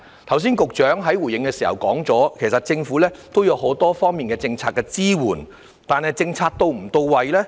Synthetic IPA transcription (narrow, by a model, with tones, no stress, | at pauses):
t̪ʰɐ˨˩ws̬iː˥nkʊ˨k̚t͡ʃœː˨˥ŋɦɐ˨˥jwuː˨˩jɪ˨ŋkɛː˧siː˨˩hɐ̰˨˩wkɔ̰ː˨˥ŋt͡sɔː˨˥kʰe˨˩sɐ˨t̚t͡sɪ˧ŋfuː˨˥lɛː˥t̪o˥wjɐ˨˧wɦo˨˥wt̪ɔː˥fɔː˥ŋmiː˨nkɛː˧t͡sɪ˧ŋt͡sʰaː˧t̚kːɛː˧t͡siː˥wuː˨˩n | t̪aː˨nɦɐ˨jt͡sɪ˧ŋt͡sʰaː˧k̚t̪o˧wm̩˨˩t̪o˧wwɐ˨jlɛː˥